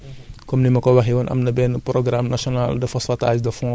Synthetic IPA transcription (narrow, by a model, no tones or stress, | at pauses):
kɔmnimɐkɔwɐxiwɐnʔɐ̰mnɐbɛːnpɾɔɡɾamnasiɔnaldɐfɐsɐta̰ːd͡ʒdɐfɔ̃